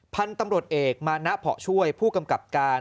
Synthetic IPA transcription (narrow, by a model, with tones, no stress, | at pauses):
pʰa˧nt̪a˧mɾu˨˩ət̪̚ʔeː˨˩k̚maː˧na˦˥ʔpʰɔ̰˨˩t͡ɕʰu˥˩əjpʰuː˥˩ka˧mka˨˩p̚kaː˧